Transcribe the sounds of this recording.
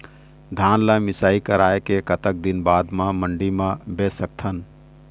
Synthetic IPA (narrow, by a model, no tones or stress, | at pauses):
d̪ʱaːnlamɪsaːikəɾaːekekət̪ək̚d̪inbaːd̪mãməɳɖimãbesək̚t̪ʰən